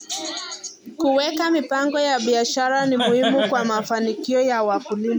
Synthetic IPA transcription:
kuwɛkamipaŋɡɔjaɓiaʃaɾanimuhimukwamafanikiɔjawakulima

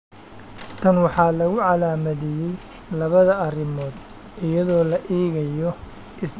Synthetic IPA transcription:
t̪ʰɐnwɑħɑːlɐɣʊʕɑlaːmɐðɛjɛj | lɐβɐðɐɐrɪmɔːd̪ | ɪjɐðɔːlɐʔiːɣɐjɔ | ʔɪs

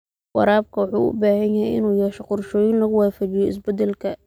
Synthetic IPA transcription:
wɑ̰ɾaːb̚kʰɐwɑħṵːʔʊ̰baːɦɐnjɐɦɛ̰jɪ̰nuːjɛːʃɛqʊrʃɔːjɪnlɐɣʊwaːfɐt͡ʃɪjɔɪ̰s̬bɛd̪ɛlkʰɐ

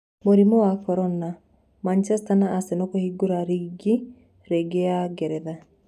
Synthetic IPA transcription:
muɾimɔwakɔɾɔna | mant͡ʃɛstanaːsenɔkohiɡuɾaɾiɡi | ɾeɡeaɡɛɾɛða

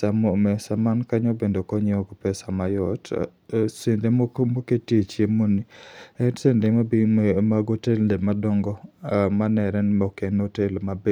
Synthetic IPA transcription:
samomɛsamankaɲɔbendokɔɲeɔkpɛsamajɔt | sendemoketiet͡ʃjemoniɛnsendemabimaɡotelndemadɔŋɡɔmanɛɾɛnmɔkenotelmabe

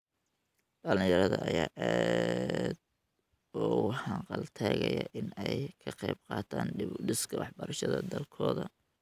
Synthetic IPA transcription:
ɖɐlɪjɐɾɐðɐʔɐjaːʔaː | d̪ | ɔːwħɑqɑlt̪ʰɛːɣɐjɐʔɪnɛjkʰɐqɑjb̚qɑːt̪ʰaːnɪɖɪskʰɐwɑħbɐɾɐʃɐðɐd̪ɐlkʰɔːðɐ

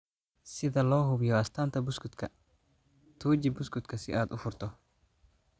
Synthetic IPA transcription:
sɪðɐlɔːɦʊbjɔɐst̪ʰaːnt̪ɐbʊskʊt̪kʰɐ | t̪ʰuːd͡ʒɪbʊskʊt̪kʰɐsɪ̰ʔaːd̪ʊfʊɾt̪ɔ

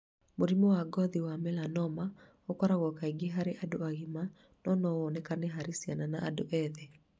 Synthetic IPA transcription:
moɾimɔwaɡɔðiwamɛlanɔma | okɔɾaɣɔkaiɡeɦaɾeʔadoaɣima | nɔnɔɔnɛkanɛɦaɾesiananaʔadoʔɛðɛ

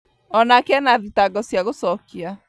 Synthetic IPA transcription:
ɔnakeɛnaðitaɡɔsiaɣosɔkia

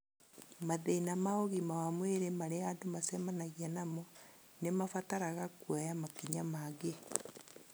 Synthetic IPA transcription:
maðeinamaoɣimawamweɾemaɾeadomasɛmanaɣianamɔ | nemafataɾaɣakwajamakiɲamaɡe

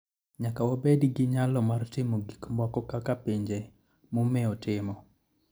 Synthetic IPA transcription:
ɲakawɔbedɡɪɲalɔmartɪmoɡikmɔkɔkakapiɲd͡ʒe | momɛɔtɪmɔ

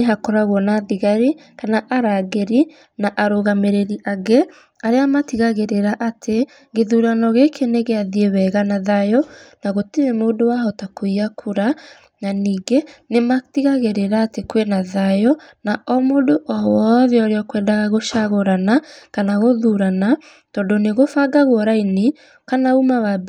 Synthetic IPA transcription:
neɦakɔɾaɣwɔnaðiɣaɾikanaʔaɾaɣeɾi | naʔaɾoɣameɾeɾiʔaɣe | aɾeamatiɣaɣeɾeɾaʔatʰe | ɡeðuːɾanɔɣekʰeneɣeaðiewɛɣanaðajɔnaɣotiɾemoːndowaɦɔtakoiakʰuɾa | naniːɡenematiɣaɣeɾeɾaːtekwenaðajɔnaʔɔmoːdoʔɔwɔðeɔɾeɔkwɛːndaɣaɣoʃaɣoɾanakanaɣoðuɾana | tɔːdoneɣofaɡaɣoɔɾaine | kanaumawab

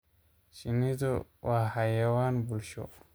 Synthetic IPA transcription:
ɕinid̪owahajawaːnbulɕo̰

